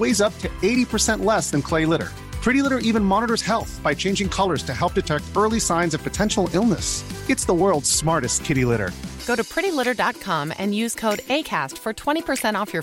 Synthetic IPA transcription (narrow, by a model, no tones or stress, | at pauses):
weɪzʌp̚tʰɨeɪɾipʰə˞sɛ̃nʔlɛsðɨ̃nkʰl̥eɪlɪɾə̰˞ | pʰɹ̥ɪɾilɪɾə˞ʔivɨ̃nmɑnəɾə˞z̥hɛlˠθb̥aɪt͡ʃʰẽɪ̃nd͡ʒɪ̃ŋkʰʌlˠə˞z̥tʰɨɦɛlˠp̚d̥ɨtʰɛk̚tɜ˞lˠisãɪ̃nzʌv̥pʰɨtʰɛ̃nʃl̩ˠɪlˠnəsɨtsðəwɜ˞lˠdz̥smɑɹɾɨstkʰɪɾilɪɾə̰˞ɡ̥oʊɾɨpʰɹ̥ɪɾilɪɾə˞dɑt̚kʰɑ̃mɨ̰̃njʉz̥kʰoʊɾeɪkʰæstfə˞tʰw̥ɛ̃ɾ̃ipʰə˞sɛ̃ɾ̃tɔfjə˞